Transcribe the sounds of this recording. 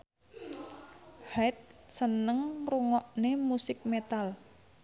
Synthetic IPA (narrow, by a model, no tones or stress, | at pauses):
hɛt̪̚sənəŋruŋɔʔnemusɪk̚met̪al